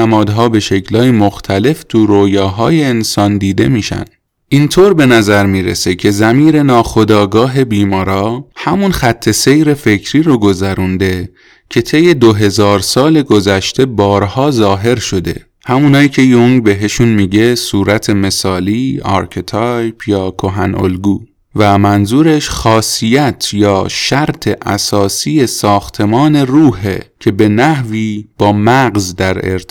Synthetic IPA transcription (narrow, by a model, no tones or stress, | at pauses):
æmɒːd̪ɦɒːbe̞ʃe̞cʰlɒːjimoxt̪ʰæle̞ft̪ʰuɾoːjɒːɦɒːjeːnsɒːnd̪iːd̪e̞̰miːʃæ̰n | int̪ʰoːɾbe̞næzæɾmiːɾese̞cʰe̞zæmiːɾe̞nɒːxo̞d̪ɒːɡɒːɦe̞biːmɒːɾɒːhæmunxæt̪ʰːe̞se̞jɾe̞fe̞cʰɾiːɾoɡo̞zæɾund̪e̞ | cʰe̞t̪ʰe̞jːe̞d̪oɦe̞zɒːɾsɒːle̞ɡo̞zæʃt̪ʰe̞bɒːɾhɒːzɒːɦe̞ɾʃo̞d̪e̞̰ | hæmuːnɑːiːcʰe̞joŋɡbe̞ɦe̞ʃunmiːɟe̞suːɾæt̪ʰe̞me̞sɒːliːɒ̰ːɾkʰet̪ʰɒjbʰjɒːkʰoɦæno̰lɡuː | væmænzuːɾeʃxɒːsijæt̪ʰjɒːʃæɾt̪ʰe̞ʔæsɒːsiːje̞sɒːxt̪ʰe̞mɒːne̞ruːhḛcʰe̞be̞næhviːb̥ɒːmæɡzd̪æɾḛɾ